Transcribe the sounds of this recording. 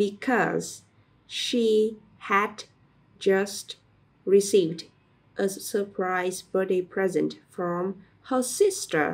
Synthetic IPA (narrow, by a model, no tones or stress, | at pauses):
bɨkʰɔ̰z̥ | ʃi | hæd | d͡ʒʌst | ɹisivd | ʔəsə˞pʰɹaɪzbɔɾipʰɹ̥ɛzɨ̃ntfɹɔ̃m | həsɪstə̰˞